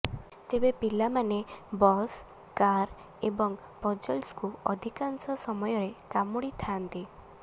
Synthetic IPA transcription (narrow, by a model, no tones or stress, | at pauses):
t̪ebepilamanebɔs | kaɾ | ebɔŋ | pɔd͡ʒɔlskuɔd̪ʱikansɔsɔmɔjɔɾekamuɽit̪ʰant̪i